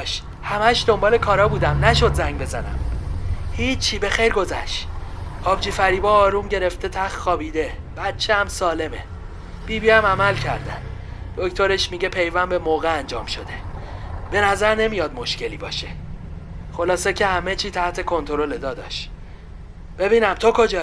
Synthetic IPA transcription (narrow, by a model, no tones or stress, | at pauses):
ʃ | hæmæʃd̪o̞mbɒːlekʰɒːɾɒːbuːd̪æmnæʃo̞d̪zæŋɟbe̞zænæ̰m | hiːt͡ʃʰːiːbe̞xejɾɡo̞zæʃ | ɒːbd͡ʒiːfæɾiːbɒːɒːɾuːmɟe̞ɾe̞ft̪e̞t̪ʰæxt̪xɒːbiːd̪e̞b̥æt̪t͡ʃʰːehæmsɒːle̞me | b̥iːbiæmæmælcʰæɾd̪æn | d̪̥o̞kt̪ʰo̞ɾeʃmiɟe̞pʰe̞jvæmbemoːɣeænd͡ʒɒːmʃo̞d̪e̞ | b̥e̞næzæɾne̞mijɒd̪mo̞ʃce̞liːbɒːʃe | xo̞lɒːsecʰe̞hæmet͡ʃʰiːt̪ʰæht̪ʰe̞kʰo̞nt̪ʰo̞ɾo̞led̪ɒːd̪ɒ̰ʃ | b̥e̞biːnæmt̪ʰokʰo̞d͡ʒɒː